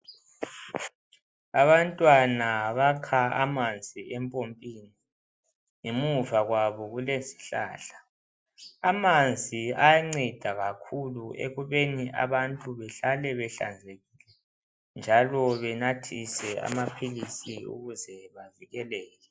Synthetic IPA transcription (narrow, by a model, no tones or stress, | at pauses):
aβantʼwanaβakʰaa̰mand͡zʱiɛmpʼompʼiːniː | muvaɣwaβɔɣulezi̥ɬa̰ːɬḁ | amand͡zʱiajaŋ͡ǀɛd̥ʱaɣakʰuluʔḛɣuβeniʔa̰βantʼuβɛɬalɛβɛɬa̰nd͡zʱeɣilɛ | nd͡ʒʱalɔβɛnatʰisɛa̰mapʰilisiṵɣuzɛβaviɣɛlɛːjɛ